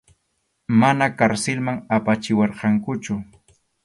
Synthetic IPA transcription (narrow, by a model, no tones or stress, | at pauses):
manakaɾsɪlmaŋapat͡ʃɪwɑɾqɑŋkʊt͡ʃʊ